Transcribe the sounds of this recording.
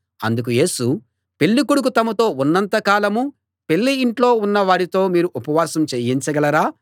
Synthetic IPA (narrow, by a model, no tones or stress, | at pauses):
ɐnd̪uk̬uje̞ːsu | pe̞ɭːikuɽuk̬ut̪ɐmɐt̪o̞ːunːɐnt̪ɐkaːlɐmu | pe̞ɭːiiɳʈlo̞ːunːɐʋaːɽit̪o̞ːmiːɾuʔupɐʋaːsɐmt͡ʃeːjint͡ʃɐɡɐlɐɾaː